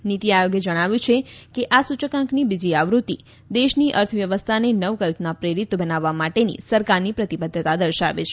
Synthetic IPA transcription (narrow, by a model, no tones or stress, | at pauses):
nit̪iajoɡjed͡ʒəɽ̃aʋjũt͡ʃʰekeʔasut͡ʃəkãŋknibid͡ʒiaʋɾut̪i | d̪eʃniʔəɾt̪ʰəʋjəʋəst̪ʰanenəʋkəlpnapɾeɾit̪bənaʋːamaʈenḭsəɾkaɾnipɾət̪ibəd̪ʱːt̪ad̪əɾʃaʋḛt͡ʃʰe̥